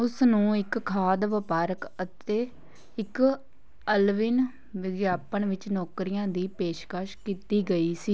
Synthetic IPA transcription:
ʊsnũːɪkkʰːaːd̪ʋɪpaːɾəkət̪eː | ɪk | əlʋɪn | ʋɪɡjaːpəɳʋɪt͡ʃnɔːkɾɪjãːd̪iːpeːʃkaːʃkiːt̪iːɡəiːsiː

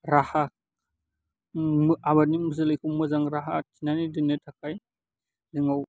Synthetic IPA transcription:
ɾaha | maβaɾnimɯz̬ɯlajkʰumɯzaŋɾaɦatʰinanidɯnetʰakʰaj | dɯŋaw

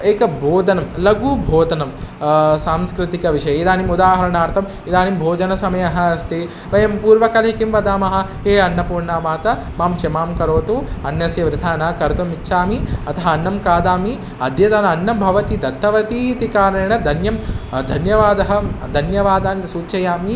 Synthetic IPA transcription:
eːkɐbʱoːd̪ɐnɐmlɐɡuːbʱoːd̪ɐnɐmsaːmskɾɪt̪ikɐʋiʂɐjɐid̪aːnimud̪aːɦɐɾɐnaːɾt̪ʰɐm | id̪aːnimbʱoːd͡ʒɐnɐsɐmɐjɐɦɐːst̪eː | ʋɐjɐmpuːɾʋɐkɐlɐikimʋɐd̪aːmɐɦɐ̆ | ɦeːɐnːɐpuːɾɳaːʋaːt̪ɐ | maːmʃɐmaːmkɐɾoːt̪uɐnjɐsjɐʋɾɪd̪ʰʱaːnɐkɐɾt̪ɐmitːʃʰaːmiɐt̪ʰɐɦɐɐnːɐmkaːd̪aːmi | ɐd̪ʱjɐt̪ɐnɐɐnːɐmbʱɐʋɐt̪id̪ɐt̪ːɐʋɐt̪it̪ikaːɾɐeːɳɐd̪ʱɐnjɐmd̪ʱɐnjɐʋaːd̪ɐɦɐ̆d̪ʱɐnjɐʋaːd̪aːnsuːt͡ʃɐjaːmi

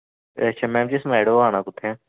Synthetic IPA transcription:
əʃʰaːmɛ̃ːmt͡ʃesmaːjɽoaːɽ̃ãːkʊt̪ʰɛ̃ː

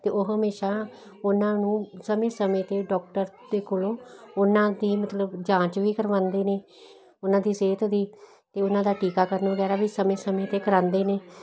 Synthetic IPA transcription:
t̪eːoːɦəmeːʃaː | ʊnãːnũːsəmẽːsəmẽːt̪eːɖɔːk̚ʈəɾ | d̪eːkʊlõːʊnãːd̪iːmət̪ləbd͡ʒãːt͡ʃʋiːkəɾʋãːnd̪iːneː | ʊnãːd̪iːseːt̪d̪iː | t̪eːʊnãːd̪aːʈiːkaːkəɾnʋəɡɛːɾaːʋiːsəmẽːsəmẽːt̪eːkəɾãːnd̪eːneː

